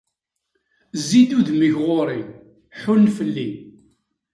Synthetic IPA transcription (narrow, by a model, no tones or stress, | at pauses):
zid̪uðməçʁoɾˤin | ħunːfəlːin